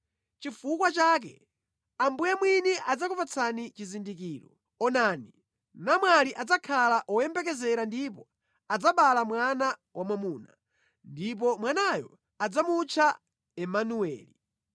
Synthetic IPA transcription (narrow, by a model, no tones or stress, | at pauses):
t͡ʃifukwat͡ʃaːk̬ɛ̰ | ambujamwiniʔad͡zakupat͡sʰanit͡ʃizindik̬iːɾɔ | ɔnaːni | namwaliʔad͡zakʰalaʔɔjɛmbɛkɛzɛɾandip̬ɔ | ad͡zaɓalamwanawʔamamuːna̰ | ndip̬ɔmwanajɔ | ad͡zamut͡ʃʰa | ɛmanuɛ̰ːli